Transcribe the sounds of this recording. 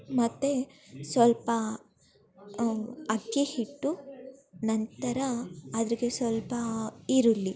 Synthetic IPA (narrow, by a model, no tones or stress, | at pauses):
mɐt̪ːesʋɐlpɐ | ɐt̪jehiʈːu | nɐnt̪ɐɾɐːd̪ɐɾiɡe̞sʋɐlpɐiɾulːi